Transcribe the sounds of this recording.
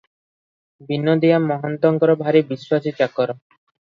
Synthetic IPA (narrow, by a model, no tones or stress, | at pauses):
bʱinːod̪iamːɔɦɔnt̪ɔŋkɔɾɔbʱaɾibiʃːwasit͡ʃakːɔɾɔ